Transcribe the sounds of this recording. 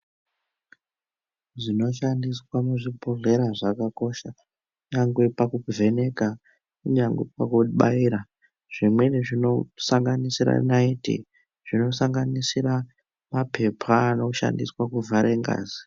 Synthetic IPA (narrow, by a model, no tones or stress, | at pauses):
ʐino̞ʃandiswamuʐipoɮe̞ɾaʐakako̞ʃa | kuɲaŋɡwepakuvʱe̞ne̞ka | kuɲaŋɡwḛpakuɓa̰iːɾa | ʐ̥imwe̞neʐino̞saŋɡanisiɾa̰naitḭ | ʐ̥ino̞saŋɡanisiɾa | mapʰe̞pʰaːno̞ʃa̰ndḭswakuvʱaɾʔeŋɡa̰ːzi